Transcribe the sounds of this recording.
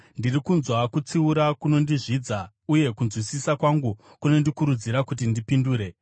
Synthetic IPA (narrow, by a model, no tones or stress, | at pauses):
ndirikunzwakut͡siuɾakuno̞ndiʐid͡za | uje̞kunzwisisakwaŋɡu | kuno̞ndikuɾud͡ziɾakut̬indipinduːɾe̞